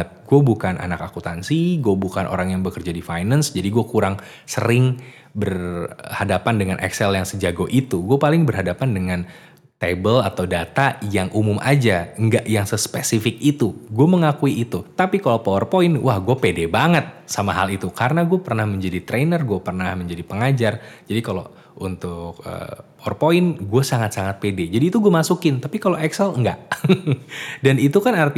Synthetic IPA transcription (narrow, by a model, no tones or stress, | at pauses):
ət̪̚ɡuabukanʔa̰nakakut̪ansiɡuɛbukanʔo̰ɾaŋjaŋbəkərd͡ʒadifajnansd͡ʒadiɡuakuɾaŋ | sə̰ɾɪŋ | bərhadapandəŋanʔɛ̰ksɛljaŋsəd͡ʒaɡoʔit̪uɡuapalɪŋbərɦadapandəŋan | t̪ebəlat̪awdat̪ajaŋʔumumʔa̰d͡ʒaŋɡaʔjaŋsəspesifɪk̚it̪uɡuaməŋakuiːt̪ut̪apikalopoɔrpoɪnwahɡuapedebaŋət̪̚samaɦa̰lit̪ukaɾənaɡuapərnahməɲd͡ʒadit̪ɾenərɡuapərnahməɲd͡ʒadipəŋad͡ʒard͡ʒadikalo̰ | ʔṵnt̪ʊk̚ə̰ːpoɔrpoɪnɡuasaŋat̪̚saŋat̪̚peded͡ʒadiːt̪uɡuamasukɪnt̪apikaloʔɛksɛlŋɡa̰ʔ | danit̪ukanart̪i